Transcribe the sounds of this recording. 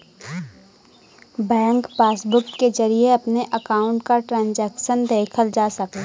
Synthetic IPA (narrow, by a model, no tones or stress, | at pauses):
bɛ̃ːŋkpaːsbʊkkːed͡ʒɐɾieɐpneʔɐkaːʊ̃ɳʈkaʈɾãːnd͡ʒɛːkʃənd̪eːkʰəld͡ʒaːsɐkː